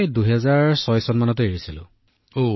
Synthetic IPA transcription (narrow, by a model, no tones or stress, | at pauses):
jduɦɛzaɹsɔjsɔnmanɔt̬eeɹisilʊ̰̃ | o